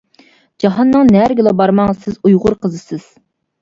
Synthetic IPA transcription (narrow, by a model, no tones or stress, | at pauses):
d͡ʒɑɦɑnːɨŋnɛɾɡʲilˠɑbɑɾmɑŋsɪzujʁʊɾqʰəzɨsɪz̥